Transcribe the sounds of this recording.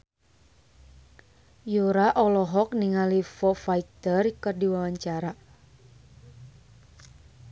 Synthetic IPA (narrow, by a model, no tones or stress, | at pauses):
juɾaʔɔlɔɦɔk̚niŋalifɔfaik̚t̪ərkɨrdiwawaɲt͡ʃaɾa